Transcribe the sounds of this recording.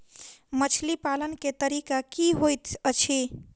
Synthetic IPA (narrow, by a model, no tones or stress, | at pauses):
mət͡ʃʰlipalənket̪əɾikakiɦojt̪ət͡ʃʰi